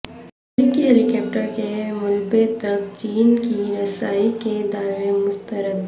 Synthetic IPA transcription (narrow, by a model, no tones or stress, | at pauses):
ɐmɾiːkiɦeːlikɛːp̚ʈəɾkemʊlbet̪ɐk̚t͡ʃiːnkiɾɐsaːiked̪aːʋemʊst̪əɾəd̪̚